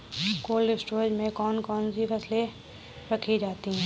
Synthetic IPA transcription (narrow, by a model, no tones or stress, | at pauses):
koːlɾɪsʈoːɾd͡ʒmẽkɔːnkɔːnsifɐsle | ɾɐkʰid͡ʒaːt̪iɦɛ̃ː